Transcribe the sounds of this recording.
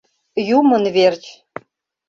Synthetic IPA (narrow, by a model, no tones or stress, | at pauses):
jumə̆nβert͡ɕ